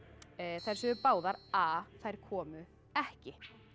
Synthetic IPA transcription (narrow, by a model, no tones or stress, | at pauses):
θɛrsʏpaːwðaɾaːθajɾ̥kʰɔːmʏ | ɛhcɪ